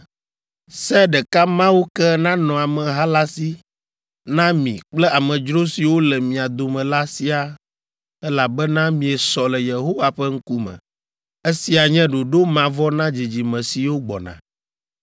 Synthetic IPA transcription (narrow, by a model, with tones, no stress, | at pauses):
sɛ˦ɖɛ˨ka˦mã˦wo˦kɛ˦nã˦nɔ̃˨a˨mɛ̃˨ɦa˦la˦si˦ | nã˦mḭ̃˨k͡plɛ˦a˨mɛ̃˨d͡ʒɾo˦si˨wo˦lɛ˨mĩ˨a˨d̪o˨mɛ̃˨la˦si˦a˨ | ɛ˦la˨bɛ˦nã˦mĩ˨ɛ˨sɔ˨lɛ˨je˨ɦo˦va˨ɸɛ˦ŋ̩˦ku˦mɛ̰̃˨ | e˦si˦a˨ɲɛ̃˦ɖo˨ɖo˦mã˨vɔ˦nã˦d͡ʑi˨d͡ʑi˨mɛ̃˨si˨wo˦ɡ͡bɔ̰˨nã̰˨